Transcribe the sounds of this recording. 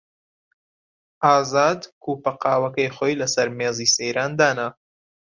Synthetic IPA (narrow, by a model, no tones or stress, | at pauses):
ʔaːzaːd̪kʰuːpɐqɑːwɐkɐjχoːjlɐsɐɾmeːziːsejɾaːnd̪aːna